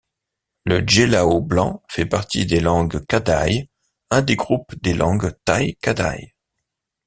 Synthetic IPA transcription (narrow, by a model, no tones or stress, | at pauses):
ləʒelaoblɑ̃fɛpaʁt̪id̪elɑ̃ɡkad̪aj | ɛ̃d̪eɡʁupd̪elʔɑ̃ɡt̪ajkad̪a̰j